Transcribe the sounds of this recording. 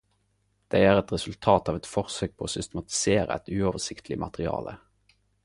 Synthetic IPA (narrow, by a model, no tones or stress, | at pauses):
d̪̥æɪæːʁɛt̪ʁɛsʉlt̪ʰɑːt̪ɑːʋɛt̪fɔʁsøːk̚pʰoːoːsʏst̪əmɑt̪ɪ̥seːʁə̰ɛ̰t̪ʉoːʋəʁsɪkt̪ʰlɪmɑ̰t̪əʁɪɑ̰ːlʔə̰